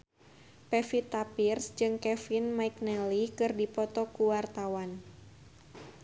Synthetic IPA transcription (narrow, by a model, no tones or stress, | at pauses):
pɛfit̪apirsd͡ʒɨŋkɛfinmaik̚nɛlikɨrdipɔt̪ɔkuwart̪awan